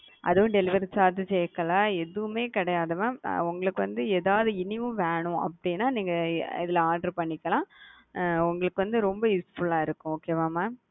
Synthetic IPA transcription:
ʔɐ̰ðɯʋʊ̃ɖɛlɪʋɐɾsaːɾt̪ɯt͡ʃɛjkːɐlaːɛðɯʋɯmeːkɪɽɐjaːðɯmaːʊŋɡɐɭɯkːɯʋɐ̰nd̪ɯeːðaːʋɐðɯɪnɪʋʊ̃ʋeːɳʊ̃ɐ̰pːɐɽɪnːaːniːŋɡɐɪ̰ðɪlɐaːɾɖɐɾpɐɳːɪkːɐlãː | ʊŋɡɐɭɯkːɯʋɐnd̪ɯɾɔmbɐjuːsfʊlaːɪɾɯkːʊ̃oːkeːʋaːmaː

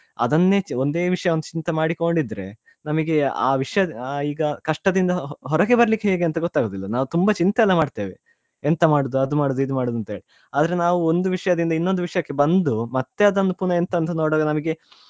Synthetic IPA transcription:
ɐ̰d̪ɐnːe̞t͡ʃond̪e̞ːʋiʂɐjɐond̪ut͡ʃint̪ɐmaːɽiko̞ɳɖid̪ɐɾe̞̰ | nɐmɐɡe̞a̰ːʋiʂɐjɐiːɡɐkɐʂʈɐd̪ind̪ɐɦɔɾɐɡe̞bɐɾɐlikːeɦeːɡeɐnt̪ɐɡɔt̪ːaːɡoːd̪ilːɐnaːʋut̪umbɐt͡ʃint̪ɐɛlːɐmaːɖt̪eːʋḛ | ent̪ɐmaːɽud̪uɐd̪umaːɽud̪uid̪umaːɽd̪uɐnt̪ɐɦeɭi | aːd̪ɐɾe̞naːʋuond̪uʋiʂɐjɐd̪ind̪ɐinːond̪uʋiʂɐjɐkːe̞bɐnd̪umɐt̪ːeɐd̪ɐnupuːɳɐent̪ɐːnt̪ɐnoːɽaːɡɐnɐmɐɡe̞

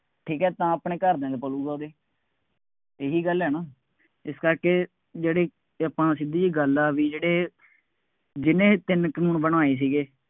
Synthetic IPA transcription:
ʈʰiːkɛːt̪ãːəpɳẽːkəɾd̪ẽːd̪eːpəluːɡaːd̪eː | eːɦiːɡəlɦɛːnãː | ɪskəɾkeː | d͡ʒeːɽeː | əpãːsɪd̪iːiːɡəlaːʋiːd͡ʒeːɽeː | d͡ʒɪnẽːt̪ɪnkənuːnbənaːeːs̬iːɡeː

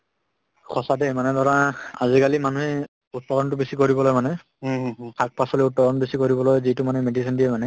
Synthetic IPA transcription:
kʰɔsadɛmanɛdɔɹaazikalimanuɦɛ | utːɔɹɔntʊbesikoɹibɔlojmanɛ | kʰak̚pasɔliutːɔɹɔnbisikoɹibɔlojzitumanuɛmedisindijɛmanɛ

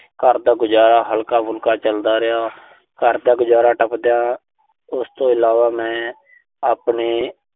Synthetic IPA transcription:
kəɾd̪aːɡʊd͡ʒaːɾaːɦəlkaːbʊlkaːt͡ʃəld̪aːɾɪjaː | kəɾd̪aːɡʊd͡ʒaːɾaːʈəpd̪ɪjaː | ʊst̪õːɪlaːʋaːmɛ̃ː | aːpniː

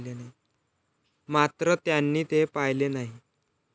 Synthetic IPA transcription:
lenaɦi | mat̪ɾət̪janːiːt̪epajlenaɦi

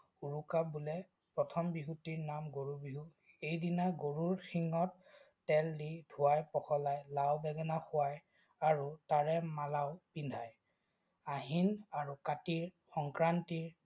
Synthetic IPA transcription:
uɹukabulɛ | pɹɔtʰɔmbiɦutiɹnamɡoɹubiɦu | ejdinaɡoɹuɹxiŋɔt̚ː | ɛldidʱuwajpɔxɔlajlawbɛɡɛnaxʊwaj | aɹutaɹɛmalaʊpindʱaj | aɦinaɹukatiɹxɔŋkɹantiɹ

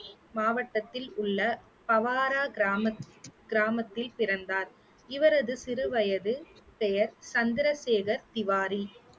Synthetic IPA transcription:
maːʋɐʈːɐt̪ːɪlʊɭːɐ | pɐʋaːɾaːmɐɡɪɾaːmɐt̪ːɪlpɪɾɐnd̪aːɾ | ɪʋɐɾɐðɯsɪɾɯʋɐjɐðɯpɛjɐɾsɐnd̪ɪɾɐseːɣɐɾt̪ɪʋaːɾi

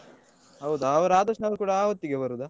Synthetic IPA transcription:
ɦɐwd̪ɐɐʋɐɾaːd̪ɐʂnɐʋɐɾkuːɽaaːʋɐt̪ːiɡebɐɾud̪a

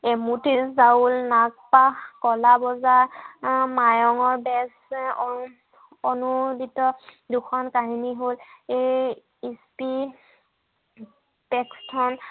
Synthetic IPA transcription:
emutizaulnak̚paxkɔlabɔzaɹmajɔŋɔɹbɛs | ɔnuditːɔduxɔnkaɦiniɦolej | ispi | pɛkstʰɔn

